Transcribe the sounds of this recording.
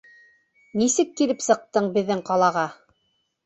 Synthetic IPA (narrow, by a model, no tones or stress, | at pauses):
nisɘkːilɘpsɤ̆q̚t̪ɤɴbɘ̆ðːɘŋqɑlˠɑʁɑ